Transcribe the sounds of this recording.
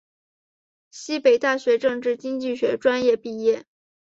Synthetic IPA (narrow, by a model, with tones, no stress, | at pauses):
ɕi˥pe˨˩ɪt̪a˥˩ɕɥɛ˧˥ʈ͡ʂɤ˥˧ŋʈ͡ʂɻ̩˥˩t͡ɕi˥ŋt͡ɕi˥˩ɕɥɛ˧˥ʈ͡ʂwa˥njɛ˥˧pi˥˧jɛ˥˩